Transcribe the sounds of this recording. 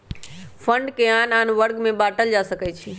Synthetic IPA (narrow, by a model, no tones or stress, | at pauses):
fʰə̃ɳɖkeaːnaːnʋəɾɡmẽbaːʈəld͡ʒaːsəkɛt͡ʃʰiː